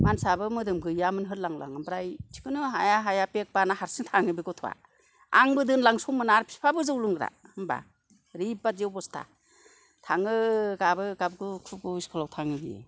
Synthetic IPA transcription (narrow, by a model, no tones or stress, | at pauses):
mansabɯmɯdɯmɡɯjamɯnɦɯɾlaŋla̰ŋambɾajtʰi̥kʰɯnɯɦajaɦajapek̚banahaɾsiŋtʰaŋɯbiɡɔtʰɔwa̰ | aŋbɯdɯnlaŋsumɯnaɾpʰi̥pʰabɯzɯwlɯŋɡɾa̰hɯmba̰ | ɾip̚badewbɔstʰa̰ | tʰaŋɯɡabɯɡabkʰɯkʰuɡɯiskʰɔlawtʰaŋɯbiḛ